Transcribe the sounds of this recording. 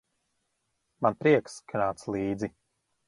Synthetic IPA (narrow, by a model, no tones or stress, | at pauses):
manpɾiɛkskʰanaːt̪slˠiːd̪zi